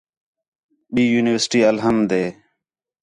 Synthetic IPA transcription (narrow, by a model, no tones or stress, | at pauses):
ɓiːjuːnɪʋəɾsʈiːəlɦəmd̪eː